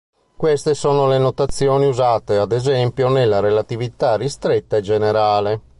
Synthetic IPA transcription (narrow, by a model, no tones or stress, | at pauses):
kwest̪esɔːnolenot̪at̪sːjɔːniuzaːt̪ead̪ezɛmpjonelːaɾelat̪ivit̪arːist̪ɾɛt̪ːaɛd͡ʒɛneɾaːle